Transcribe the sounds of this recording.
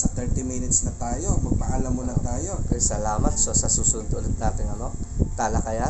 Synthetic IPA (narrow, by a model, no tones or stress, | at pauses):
sɐt̪ɛɹt̪imɪnɪt̪snɐt̪aːjo̞mɐɡ̚paʔaːlɐmonɐŋt̪aːjo̞kɐsɐlaːmɐt̪̚sɐsɐsusund̪oʔlɪt̪̚naːt̪ɪŋɐnot̪alɐkɐja